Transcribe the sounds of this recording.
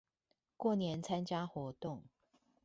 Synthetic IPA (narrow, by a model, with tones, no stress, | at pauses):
kwɔ˥˨njɛ˨˦nt͡sʰa˦nt͡ɕja˦˥xwɔ˧˦t̪ʊ˥˨ŋ